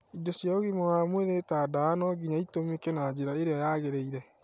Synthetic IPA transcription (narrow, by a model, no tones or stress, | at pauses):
idosjaoɣimowaːmweɾetaːdaanɔɡiɲaitomekɛnad͡ʑeɾaeɾeajaɣeɾeiɾɛ